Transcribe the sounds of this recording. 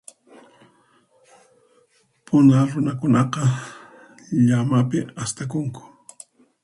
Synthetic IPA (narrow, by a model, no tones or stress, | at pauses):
pʰʊnaɾʊnakʊnɑqɑ | ʎamapɪast̪akʊŋkʊ̥